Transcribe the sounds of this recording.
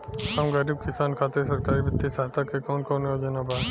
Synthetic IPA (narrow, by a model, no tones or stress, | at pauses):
kɐmɡɐɾib̚kɪsaːnkʰaːt̪es̬ɐɾkaːɾibɪt̪ːisaːɦt̪akekɔːnkɔːnjod͡ʒenabaː